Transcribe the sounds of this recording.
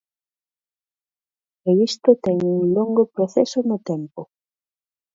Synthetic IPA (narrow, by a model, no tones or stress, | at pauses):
eist̪ot̪eŋuŋloŋɡopɾoθesonot̪empo